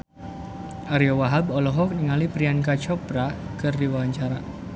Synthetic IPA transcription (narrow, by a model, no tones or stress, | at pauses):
ʔaɾiɔwaɦabɔlɔɦɔk̚niŋalipɾiankat͡ʃɔpɾakɨrdiwawaɲt͡ʃaɾa